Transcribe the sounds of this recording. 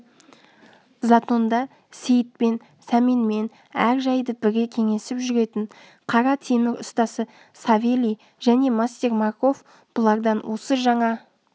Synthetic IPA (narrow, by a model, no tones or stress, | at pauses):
zɑt̪o̞nd̪ɑ | se̞jt̪̚pe̞n | sɑmenme̞n | æɾʒɑjd̪əbɪɾɡʲe̞kʲʰe̞ŋe̞sɪpʒʏɾe̞t̪ɪɴ | qʰɑɾɑt̪ʰe̞mɪɾʊst̪ɑsə | sɑvʲelʲij | ʒæne̞mast̪e̞ɾmɑɾko̞f | b̥ʊlˠɑɾd̪ɑnwʔo̞səʒɑɴɑ